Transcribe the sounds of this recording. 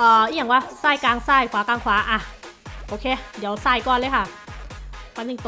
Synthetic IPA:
ʔɔː˧˩ʔi˧˦˨a˧˩˦ŋwaː˧˩saː˥˩jkaː˧ŋsaː˧˩jkʰwaː˨˦kaː˧ŋkʰwaː˨˦ʔa˧˩ʔoː˧kʰeː˧di˨˦əwsaː˧˩jkɔː˧˩˨nlɤː˧˦jkʰa˥˩ | ma˧˩niː˧˩ŋt̪

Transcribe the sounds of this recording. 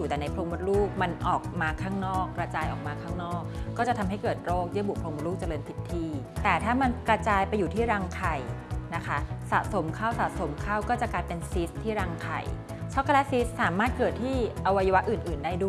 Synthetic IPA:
uː˨˩t̪ɛː˨˩na˧jpʰɾoː˧ŋbu˦˥luː˥˩k̚ma˧nʔɔː˨˩k̚maː˧kʰaː˥˩ŋnɔː˥˩kːɾa˧t͡ɕaː˧jʔɔː˨˩k̚maː˧kʰaː˥˩ŋnɔː˥˩k̚ːɔː˥˩t͡ɕa˨˩t̪ʰa˧mɦa˥˩jkɤː˨˩t̪̚ɾoː˥˩k̚di˦˥˩bu˨˩pʰɾo˧ŋm˧˦˥luː˥˩k̚t͡ɕa˧lɤː˧nt̪ʰi˦˥t̪ʰːiː˧t̪ɛː˨˩t̪ʰaː˥˩ma˧nkɾa˧t͡ɕaː˧jpa˧jːuː˨˩t̪ʰiː˥˩ɾaː˧ŋkʰa˨˩jna˦˥kʰa˦˥sa̰˨˩ʔso˩˦mkʰaː˥˩wsa˨˩so˨˩˦mkʰaː˥˩wkɔː˥˩t͡ɕa˨˩klaː˧jpe˧nsi˦˥st̪ʰːiː˥˩ɾaː˧ŋkʰa̰˨˩j | t͡ɕʰɔ˦˥kʰːlɛ˦˥si˦˥ssaː˨˩˦maː˥˩t̪̚kɤː˨˩t̪ʰːiː˥˩ʔa˧wa˧ja˧wa˦˥ʔɯː˨˩nʔɯː˨˩ndaː˥˩jdu˥˩

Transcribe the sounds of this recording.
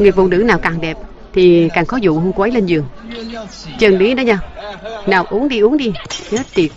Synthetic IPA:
ŋɨ˨˩ək̚vṵ˧˨nɨ̰˧˥naː˨˩wkaː˨˩ŋɗɛ˨˩p̚ | t̪ʰi˨˩kaː˨˩ŋxɔ˨˦zṵ˧˨ɦəː˧nku˧ʔə˨˦jle˧nzɨ˨˩əŋ | t͡ɕə˨˩nɗi˨˦ɗɔ˨˦ɲaː˧naː˨˩wʔu˨˦əŋɗi˧ʔu˨˦əŋɗi˧ɲə˨˦t̪i˨˩ət̚

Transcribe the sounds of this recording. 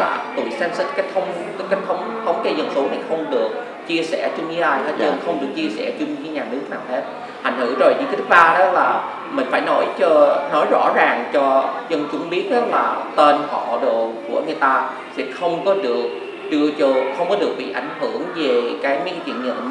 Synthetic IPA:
aː˨˩t̪ṵ˧˨jsɛ˨˦msə˦˥t̚kaː˦˥k̚t̪ʰə˨˦wŋ͡m | kːa˦˥k̚t̪ʰə˨˦wŋ͡mt̪ʰə˨˦wŋ͡mke˧zə˧nso˨˦t̪ʰi˨˩xə˧wŋ͡mɗɨ˨˩ək̚ | t͡ɕi˧əsɛ˧˩t͡ɕʊ˧ŋ͡mɲɨ˨˧˦laː˧˩jhaː˨˦ə˧˨˩xə˧wŋ͡mɗɨ˨˩ək̚t͡ɕi˧əsɛ̰˧˩t͡ɕʊ˧ŋ͡mɲi˧˦ɲaː˨˩nɨ˦˥ək̚naː˨˩whe˦˥t̚ | ha̰˧˩jŋ̟hɨ̰˧˩əzo˨˩jt͡ɕi˧˦k̪ʰi˦˥k̚ɓaː˧ɗɔ˨˦laː˨˩ | mï˨˩ŋ̟faː˧˩jnɔ˨˦jt͡ɕɔ˧nɔ˨˦jzɔ̰˧˥zaː˨˩ŋt͡ɕɔ˧zə˧nt͡ɕʊ̰˧˥ŋ͡mɓi˦˥ət̚ʔɔ˨˦laː˨˩t̪e˧nhɔ̰˧˨ɗo̰˨˩ku˧˩əŋɨ˨˩əjt̪aː˧ | t̪ʰi˨˩xə˧wŋ͡mkɔ˨˦ɗɨ˨˩ək̚ | t͡ɕɨ˧ət͡ɕo˧xə˧wŋ͡mkɔ˨˦ɗɨ˨˩ək̚ɓḭ˧˨ʔa˧˩jŋ̟hɨ˧˩əŋve˨˩kaː˨˦jm˨˦ka˦t͡ɕwḭ˧˨ənɲə̰˧˨n

